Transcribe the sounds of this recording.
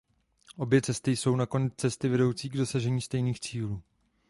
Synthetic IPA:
ʔo̞bjɛt͡sɛst̪ɪjso̞wnako̞nɛt͡st͡sɛst̪ɪvɛdo̞wt͡siːɡdo̞saʒɛɲiːst̪ɛjniːxt͡siːluː

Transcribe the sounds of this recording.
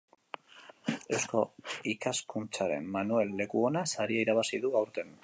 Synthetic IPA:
e̞wsko̞ikaskunt͡saɾe̞̰mmːanue̞lːe̞kuo̞nasaɾiaiɾaβ̞asiðuawɾt̪e̞n

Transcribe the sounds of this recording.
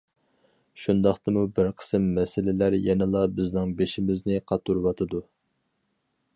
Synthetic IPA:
ʃund̪ɑχt̪ɨmubɪɾqʰə̥sɨmːɛsɪlɪlæɾjɛnɪlˠɑbɪznɪŋbeʃimɪznɪqʰɑt̪ːuɾwɑt̪ʰɨd̪u

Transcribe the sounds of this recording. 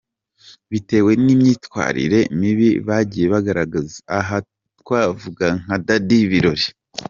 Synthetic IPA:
βite̞ːwe̞nimɲiːtkwa̰ːɾḭɾe̞miβiβaɟiːje̞βaɡaɾaɡazaɦa | tkwaːvuɡaŋ̥adadiβiɾo̞ɾi

